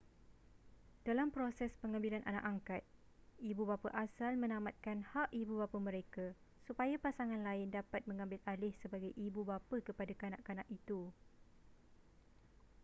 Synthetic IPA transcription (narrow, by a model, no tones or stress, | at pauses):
d̥alampɾosɛspəŋãmbilanʔa̰na̰ʔaŋkat̪̚ | ibubapaʔasalmə̃nãmat̪̚kanhaʔibubapamə̃ɾeka | supajapasaŋãnlaɪndapat̪̚mə̃ŋãmbɪlalɪhsəbaɡajʔibubapəkəpadakanã̰ʔkanaʔit̪u